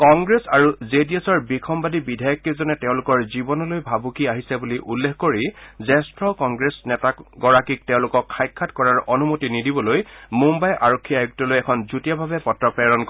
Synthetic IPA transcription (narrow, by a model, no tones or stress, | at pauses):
kɔŋɡɹesaɹuzediesɔɹbikʰɔmbadibidʱajɔkːizɔnɛtɛʊ̃lʊkɔɹzibɔnɔlojbʱabʱukiaɦisɛbuliʔulːexkoɹizɛstɹɔkɔŋɡɹesnɛtakɡɔɹakik̚tɛʊ̃lʊkɔkʰːajkʰːatkɔɹaɹɔnumotinidibɔlojmumbajʔaɹokʰːiajuk̚tɔlojɛkʰɔnzutijabʱabɛpɔtɹɔpɛɹɔnkɔ